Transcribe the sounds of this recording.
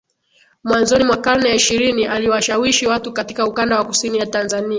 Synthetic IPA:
mwanzɔnimwakanɛiʃiɾiniʔaliwaʃawiʃiwatukatikaukandawakusinijatanzania

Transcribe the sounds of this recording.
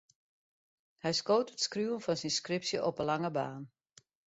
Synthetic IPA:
hɛjskoːtətskruːənfɔnsinskrɪpsjəʔɔpəlaŋəbaːn

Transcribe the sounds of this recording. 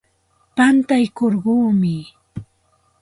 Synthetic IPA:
pant̪ajkoɾɢuːmɪ

